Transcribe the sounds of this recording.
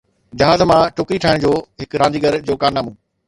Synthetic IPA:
d͡ʑɐɦaːzmãʈʰʊkɾiʈʰaːɪɽ̃̆d͡ʑoːɦɪkɾãːɲd͡ʑiːɡəɾd͡ʑoːkaːɾnaːmũː

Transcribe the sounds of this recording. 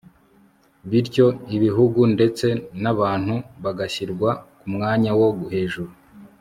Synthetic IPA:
βiɾco̞iβiɦuɡunde̞t͡se̞naβaːn̥huβaɡaɕiɾɡwakumŋaːɲawo̞ɡuɦe̞ːʒuɾu

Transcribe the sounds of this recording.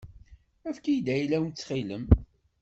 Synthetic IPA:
æfkijd̪æjlæwənt͡sːχilə̰m

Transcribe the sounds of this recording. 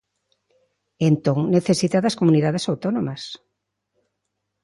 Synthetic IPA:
ent̪õŋneθesit̪aðɐskomuniðaðesawt̪onomɐs

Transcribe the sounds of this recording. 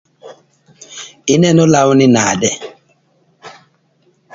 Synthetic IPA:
ɪnɛnɔlawninaːdɛ

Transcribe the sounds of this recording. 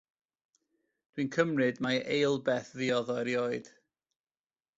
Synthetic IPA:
d̥winkʰəmrɨdmaʔejlˠbɛθðiɔðɔɛɾjoːɨd̥

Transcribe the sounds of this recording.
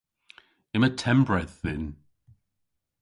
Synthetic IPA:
ɪmətʰɛmbɹɛðɪn

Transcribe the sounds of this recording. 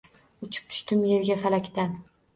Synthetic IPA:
ʊt͡ʃʰʊ̥p̚t̪ʰʊ̥ʃt̪ɪmjeɾɡʲafalakʲt̪an

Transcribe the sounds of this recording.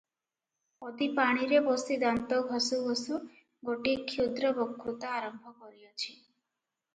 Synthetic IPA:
ɔd̪ipaɽ̃iɾebɔsid̪ant̪ɔɡʱɔsuɔsu | ɡoʈikʰːjud̪ɾɔbɔkʰːɾut̪ɔaɾɔmbʱɔkɔɾiɔt͡ʃʰi

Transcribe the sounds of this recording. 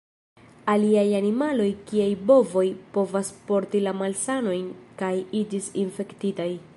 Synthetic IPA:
aliajanimalo̞jkiajbo̞vo̞jpo̞vaspo̞ɾtilamalsano̞jnkajid͡ʒisinfe̞ktitaj

